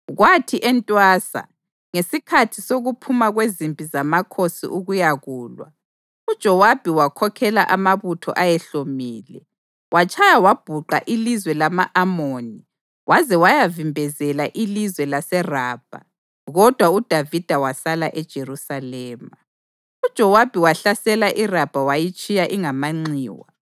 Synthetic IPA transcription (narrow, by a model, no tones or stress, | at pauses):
ɣwatʰiʔɛntʼwaːsa̰ | ŋesikʰatʰisoɣupʰumaɣwezimpʼizamakʰosḭʔuɣujaɣuːlwa̰ | ud̥ʒ̥ʱɔwab̥ʱiwakʰɔkʰɛla̰ʔamaβutʰɔ̰ʔajɛɬomiːlɛ | wʔat͡ʃʼajawab̥ʱuǃa̰ʔilizwɛlamaʔamoːni | wʔazɛwajavimbʱɛzɛlaʔilizwɛlasɛraːb̥ʱa̰ | ɣɔd̥ʱwaud̥ʱavid̥ʱawasalaʔɛd̥ʒ̥ʱerusalɛːma | ud̥ʒ̥ʱɔwab̥ʱiwaɬasɛlaʔirab̥ʱawajit͡ʃʼijaʔiŋamaŋ͡ǀiːwa̰